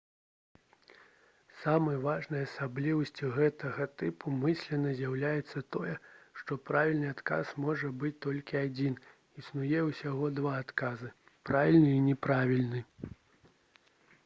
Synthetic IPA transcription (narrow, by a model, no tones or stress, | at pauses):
samɨjvaʐnɐjasablʲivɐsʲt͡sʲiɣɛt̪ɐɣɐt̪ɨpʰumɨsʲlʲɛnɐzʲjawlʲajɛt̪sːɐt̪ɔjɛʂt̪ɔpɾavʲilʲnɨat̪ka̰smɔʐɐbɨt͡sʲt̪ɔlʲkʲiad͡zʲin | isnujɛwsʲaɣɔd̪vaːt̪kazɨ | pɾavʲilʲnɨinʲɛpɾavʲilʲnɨ